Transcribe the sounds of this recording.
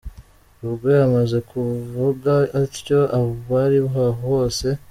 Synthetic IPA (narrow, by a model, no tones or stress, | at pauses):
uβɡojamaze̞kʰuvuɡaːɾco̞ʔaβoβaɾiβɦaɦoho̞ːse̞